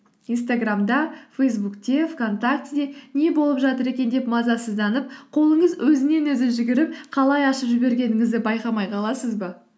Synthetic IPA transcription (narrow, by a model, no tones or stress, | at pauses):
ijnst̪aɡramd̪ɑfejs̬bukt̪ʲe̞fko̞nt̪ak̚t̪d̪e̞ne̞bo̞lˠəpʒɑt̪əɾe̞kʲe̞nd̪e̞pmɑzɑsəzd̪ɑnəp̚qʰo̞lˠəɴəzwʔɵzɪne̞nwɵzɪʒɪɡʲɪɾɪp̚qʰɑlˠɑjɑʃəpʒɪbe̞ɾɡʲe̞nɪŋɪzd̪ɪbɑjqɑmɑjqʰɑlˠɑsəzbə